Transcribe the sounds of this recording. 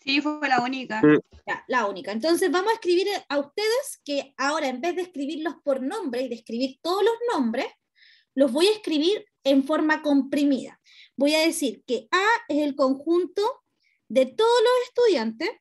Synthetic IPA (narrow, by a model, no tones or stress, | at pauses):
sifwwelaunikaja̰launikaent̪̬o̞ns̬e̞zβamosaehkɾiβiɾaust̪e̞ðe̞skeao̞ɾaembe̞zðeːhkɾiβiɾlo̞spo̞ɾno̞mbɾeiðehkɾiβiɾt̪o̞ðolo̞zno̞mbɾe̞s | lo̞zβo̞jaehkɾiβiɾ | e̞ɱfo̞ɾmako̞mpɾimiða̰ | bo̞jaðe̞siɾkeaeselko̞ŋxunt̪o | ðe̞t̪o̞ð̞olo̞se̞st̪uðjant̪e̞s